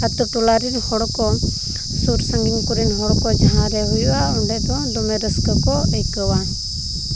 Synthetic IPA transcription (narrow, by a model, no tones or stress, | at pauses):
at̪ɔʈulaɾinhɔɽɔkɔ | suɾsaŋɡinkuɾinɦɔɽɔkɔd͡ʒaɦãɾɛɦujwaɔɳɖɛt̪ɔd̪ɔmɛɾəskəkɔejkəwan